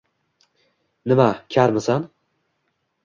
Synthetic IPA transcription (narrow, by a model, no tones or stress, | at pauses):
nɪmakʲʰaɾmɪsan